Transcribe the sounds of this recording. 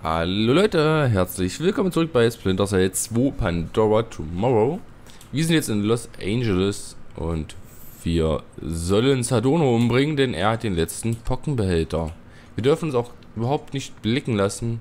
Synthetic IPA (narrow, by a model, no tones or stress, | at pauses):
ha̰loːlɔʏtəɦɛɐt͡slɪçv̥ɪlkʰɔmənt͡sʊʁʏk̚b̥aɪsplɪntɐzaɪt͡sv̥oːpʰandɔʁat͡sʰumɔʁo | viːɐzɪntjɛt͡stɪnlɔsʔa̰ɪnd͡ʒələsʔʊ̰ntv̥iːɐzɔlənsadoːnoʔʊmbʁɪŋəndɛnḛːɐhat̚d̥eːnlɛt͡stn̩pʰɔkŋ̩bəhɛltɐ | viːɐdʏɐfn̩ʊnsaʊx | ʔyːbɐɦaʊp̚tnɪçt̚b̥lɪkŋ̩lasn̩